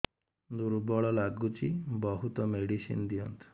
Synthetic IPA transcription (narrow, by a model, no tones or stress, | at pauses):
d̪uɾubɔɭɔlaɡut͡ʃibɔɦut̪ɔmeɽisḭnd̪iɔnt̪ʰu̥